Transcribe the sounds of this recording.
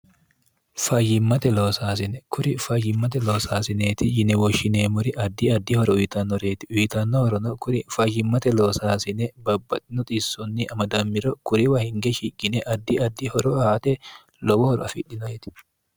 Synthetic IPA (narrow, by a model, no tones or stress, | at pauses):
fɐjɪmːɐt̪ɛloːsaːs̬ɪnɛkʰʊɾɪfɐjːɪmːɐt̪̬ɛloːsaːsɪneːt̪ɪjɪnɛwɔʃːɪneːmʊɾɪʔɐd̪ːiɐd̪ːihɔɾɔʊjɪt̪ɐnːɔɾeːt̪ɪ̥iːt̪ɐnːɔhɔɾɔnɔkʊɾɪfɐjːɪmːɐt̪ɛloːsaːsɪnɛbɐbːɐt̪ʼɪnɔt̪ʼisːɔnːiʔɐmɐd̪ɐmːɪɾɔkʊɾɪwahɪŋɡɛʃikʼːɪnɛʔɐd̪ːiɐd̪ːihɔɾɔhaːt̪ʼɛ | lɔwɔhɔɾɔɐfḭᶑɪnɔt̪ɪ̥